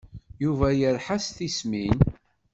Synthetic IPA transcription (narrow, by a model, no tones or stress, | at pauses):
juvæjəɾħasθismin